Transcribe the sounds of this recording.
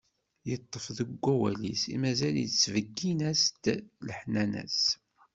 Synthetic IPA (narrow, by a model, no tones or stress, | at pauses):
jət̪ˤːəfðəɡʷːæwælisḭmæzæljə̰t͡sːvəɡːinæst̪ləħnænæ̰s